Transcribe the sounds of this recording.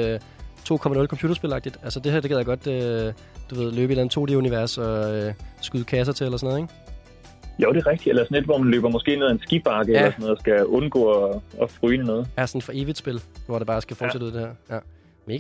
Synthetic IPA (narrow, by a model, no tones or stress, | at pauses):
t͡sʰo̝̰ːkʰɒ̽mænɔ̽lkʰɒ̽mpʰṵːd̥ɐsb̥e̝lɑ̈ɡ̥̚d̥id̥ælsəd̥e̝hæɐde̝ɡeðˠjaɡɒ̽d̥ø | d̥uʋe̝ð̞ˠløːb̥əe̝læn̩ˠt͡sʰo̝̰ːd̥euniʋæɐ̰sɒ̽øsɡ̥uð̩ˠkʰæs̬ɐt͡sʰe̝elɐsɔnɔ̽ð̞̩ˠeɡ̥ | joʊɾ̥e̝ʁɛɡ̥̚d̥ielɐsɔnle̝d̥ʋɒmænløːb̥ɐmɔ̽sɡ̥e̝̰ːneð̩ˠæensɡ̥ib̥ɑ̈ɡ̥əelɐsɔnɔð̩ˠsɡ̥æɔ̽nɡ̥ɔ̰ːɒɒfʁyːnənɔ̽ːð̩ˠæsɒnfɒ̽ʔe̝ːʋid̥sb̥e̝lʋɒd̥ɑ̈b̥ɑ̈ːsɡ̥æfɒːd̥sedɾuð̰ˠd̥eheɐ̰jæ | mneɡ